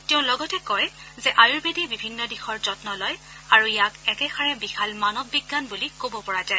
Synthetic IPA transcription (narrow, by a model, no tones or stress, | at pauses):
tɛʊ̃lɔɡɔtɛkɔj | zɛʔajuɹbedibibʱinːɔdixɔɹzɔtnɔlɔj | aɹujakɛkɛxaɹɛbixʰalmanɔbːiɡːanbulikobɔpɔɹazaj